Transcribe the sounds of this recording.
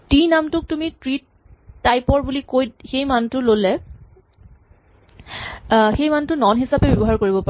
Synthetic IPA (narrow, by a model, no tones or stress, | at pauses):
tinamtʊk̚tumitɹitː | ajpɔɹbulikojtxejmantʊlolɛ | xejmantʊnɔnɦisapɛbɔbɔɦaɹkoɹibɔpa